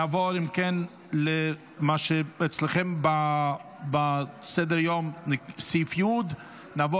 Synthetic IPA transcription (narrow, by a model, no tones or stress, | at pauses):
avɔɾimkɛn | le | maʃeɛt͡sleχɛmba | basɛd̪əɾjomsifjud̪ | navɔ